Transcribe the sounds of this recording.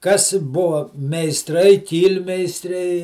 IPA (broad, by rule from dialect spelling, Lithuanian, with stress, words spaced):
kɐs ˈbʊʋɐ mʲɛɪsˈtrɐɪ ˈkʲiːlʲmʲɛɪsʲtʲrʲɛɪ